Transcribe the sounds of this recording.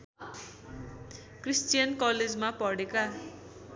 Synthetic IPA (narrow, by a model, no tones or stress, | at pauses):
krist͡sijʌnkʌled͡zmapʌɽeka